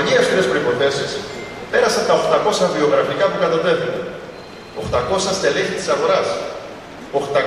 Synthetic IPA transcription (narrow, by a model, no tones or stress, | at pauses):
ɲiɐst̪ɾespɾo̞ipo̞θe̞sispe̞ɾɐsɐnt̪ɐo̞xt̪ɐko̞sɐvio̞ɣɾɐfikɐpukɐt̪ɐne̞vun | o̞xt̪ɐko̞sɐst̪eleɲçit̪i̥sɐɣo̞ɾɐs | o̞xt̪ɐ